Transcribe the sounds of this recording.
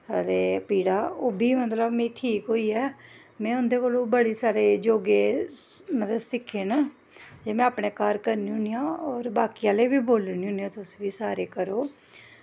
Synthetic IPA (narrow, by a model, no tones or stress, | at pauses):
ət̪eːpiːɽaːoːbʱiːmət̪ləbmẽːʈʰiːkɦoːiːɛː | mɛ̃ːʊnd̪eːkoːlõːbəɽiːsaːɾeːd͡ʒoːɡeːmət̪əsɪkʰːen | d͡ʒeːmɛ̃ːaːpɳeːkaːɾkəɾniːɦʊnijãːɔːɾbaːkiãːleːbiːboːlniːɦʊ̃niãːt̪ʊsʋiːsaːɾeːkəɾoː